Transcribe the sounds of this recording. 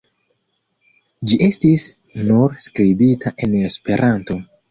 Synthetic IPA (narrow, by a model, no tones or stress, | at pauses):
d͡ʒiʔe̞stis | nuɾskɾibitʰaʔe̞nespe̞ɾʔanto̞